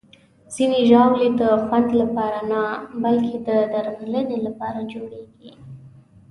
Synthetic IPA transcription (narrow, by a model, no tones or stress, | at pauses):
z̥ineʒɑwled̪əxwand̪lapɑɾanabalkʰed̪əd̪aɾmalənelapɑɾad͡ʒoɽeɡi